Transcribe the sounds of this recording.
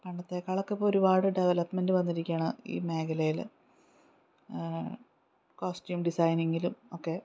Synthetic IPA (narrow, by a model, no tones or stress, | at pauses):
pɐɳɖɐt̪ːe̞kːaːɭokːepːooɾubaːɽɨɖeʋɐlɐpme̞ndɨʋɐnːiɾikʲːaːɳɨḭːme̞ːkʰɐlɐjil | koːstjuːmɖisɐjneŋɡilumo̞ːkːe̞